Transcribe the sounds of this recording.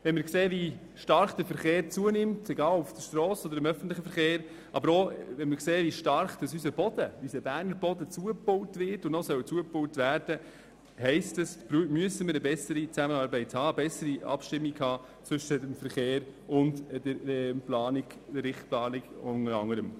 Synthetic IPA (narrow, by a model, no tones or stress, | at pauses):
ʋɛnmɪɾkseːvi | ʃtɑɾχd̥̪əfəɾχeːɾt͡suənɪmteɡɑːlufd̥əʃtɾɔːsɔd̪əɾɪmœfən̩tlɪχəfəɾχeːɾ | ʔɑ̰bəɾoʋɛnmɪɾkseːviʃtɑɾχd̥ɑsysəb̥ɔd̥əysəbæɾnəɾbɔdət͡suəpowtvʋɪɾtʊnnɔsœwt͡suəpʊwtvæːɾd̥ə | hɛɪstəsbɾmyəsəməɾəbɛsəɾit͡sæmənɑːɾbɛɪthɑːəbɛsəɾiʔɑ̰pʃtɪmːikhɑː | t͡sʋʏʃədəmfəɾχeːɾʊnddəɛplɑːnɪɡd̥əɾːɪχt̚plɑːnɪɡʊŋəɾɑ̰ŋːəɾəm